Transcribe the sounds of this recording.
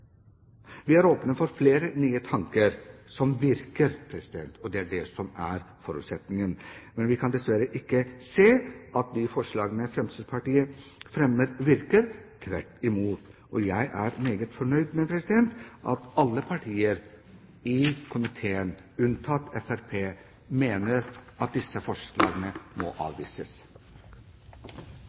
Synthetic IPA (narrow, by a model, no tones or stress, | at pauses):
ʋɪæɾoːpnəfɔɾfleːɾənyːət̪ʰɑŋkəɾsɔmʋɪɾkəɾpʰɾɛsɪd̪ɛ̰nt̪ʰɔd̪ɛæɖɛsɔmæɾ | fɔɾʉ̰ːt̪sɛt̪nɪŋənmɛnʋɪkʰɑnd̪ɛsʋæɾəʔɪkːəseːʔɑt̪̚d̪ɪfɔʂɭɑːɡənəfɾɛmsʰid̪pʰɑʈiːəfɾɛmːəɾʋɪɾkəɾt̪ʰʋæʈːɪmuːt̪ʔɔjæɪʔæɾmeːɡət̪fɔɳœʏd̪mɛpʰɾɛsɪd̪ɛnt̪ʔɑ̰t̪ɑlːəpʰɑʈʰiːəɾ | ɪkʰʊmɪt̪ʰeːən | ʉnt̪ʰɑt̪ɛfæɾpʰeː | meːnəɾʔɑt̪̚d̪ɪsəfɔʂlɑ̰ːɡənəmɔ̰ʔɑ̰ːʋʋḭːsəs